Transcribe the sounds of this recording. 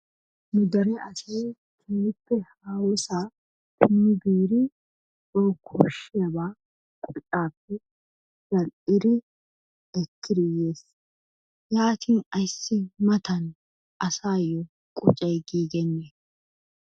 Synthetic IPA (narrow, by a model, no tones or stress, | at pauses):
nʊd̪ɐɾɛʔɐseː | k̪ʰɪnːɪpːɛhaːwɔsaː | t̪ʰɪnːɪbiːɾɪ | oːkʰɔʃːɪjɐbaː | kʼʊt͡ʃʼaːpːɛ | d͡ʒɐlɪɾɪ | ɛkʰːɪɾɪjeːs | jaːt̪ʰinɐjsːɪmɐt̪ʰɐn | ʔɐsaːjɔ | kʼʊ̰t͡ʃʼɛjɡiːɡɛnːeː